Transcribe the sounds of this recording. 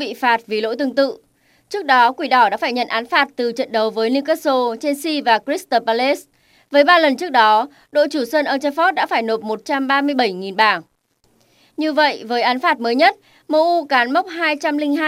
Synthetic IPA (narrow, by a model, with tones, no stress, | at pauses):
ɓḭ˧˨faː˨˩t̚vi˨˩lo̰˧˥jt̪ɨ˧əŋt̪ɨ̰˧˨ | t͡ɕɨ˦˥ək̚ɗɔ˨˦kwi˧˩ɗɔ˧˩ɗa̰ː˧˥faː˧˩ɲə̰˧˨nʔaː˨˦nfaː˨˩t̚t̪ɨ˨˩t͡ɕə̰˧˨nɗə˨˩wvəː˨˦jli˧kə˦˥so˧t͡ɕe˧nsi˧vaː˨˩kɹi˦˥st̪oː˧pa˧le˦˥s | vəː˨˦jɓaː˧lə˨˩nt͡ɕɨ˦˥ək̚ɗɔ˨˦ | ɗo̰˧˨t͡ɕu˧˩səː˧nʔəː˧t͡ɕə˧fɔ˦˥t̚ɗa̰ː˧˥faː˧˩jno˨˩p̚mo˨˩t̚t͡ɕa˧mɓaː˧mɨ˧əjɓə˧˩jŋi˨˩nɓaː˨˩ŋ | ɲɨ˧və̰˧˨jvəː˨˦jʔaː˨˦nfaː˨˧˩t̚məː˨˦jɲə˦˥t̚ | mo˧ʔu˧kaː˨˦nma˦˥wk͡p̚haː˧jt͡ɕa˧mlï˧ŋɦaː˧